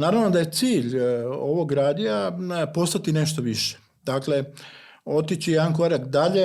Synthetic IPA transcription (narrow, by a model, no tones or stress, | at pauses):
naːɾaʋno̞d̪aje̞t̪siːʎo̞ʋo̞ɡɾaːd̪iapo̞st̪at̪ine̞ʃt̪o̞ʋiʃe̥ | d̪̥akle̞ | o̞t̪it͡ɕijed̪anko̞ɾakd̪aʎe